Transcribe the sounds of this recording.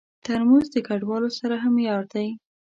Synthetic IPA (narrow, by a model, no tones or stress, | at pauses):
t̪əɾmanzd̪əkaɖwɑlosaɾaɦamjɑɽ̚d̪aj